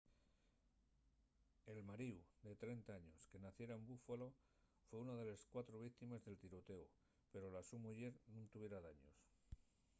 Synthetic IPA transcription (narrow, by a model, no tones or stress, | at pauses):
e̞lmaɾiwd̪e̞t̪ɾe̞nt̪aaɲo̞ske̞naθje̞ɾaembufalo̞ | fwe̞unaðe̞le̞skwat̪ɾoβik̚t̪imezðe̞lt̪iɾo̞t̪e̞u | pe̞ɾo̞lasumuʝe̞ɾnũnt̪uβje̞ɾaðaɲo̞̰s